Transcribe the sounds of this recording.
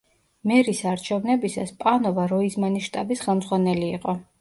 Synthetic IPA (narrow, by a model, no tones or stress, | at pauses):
mɛɾisaɾt͡ʃʰɛvnɛbisa̰spʼanɔvaɾɔizmaniʃt̪ʼabisχɛlˠmd̪zʁwanɛliːqʼɔ